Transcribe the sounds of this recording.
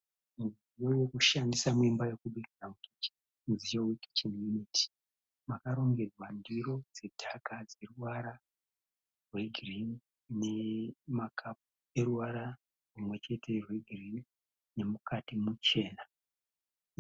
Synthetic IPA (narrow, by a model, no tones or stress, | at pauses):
muzijo̞wekuʃandisamuimbaje̞kuɓiriramukit͡ʃi̥ | muzijoweki̥t͡ʃinjunitʰi̥ | makaɾo̞ŋɡe̞d͡zwandiɾo̞d͡ze̞dʱakad͡ze̞ruwaɾa | rwe̞ɡʱirin | ne̞makʰap̚u | e̞ɾuwaɾa | rumwe̞t͡ʃe̞tʰe̞rweɡʱirin | ne̞mukʰatimut͡ʃe̞ːna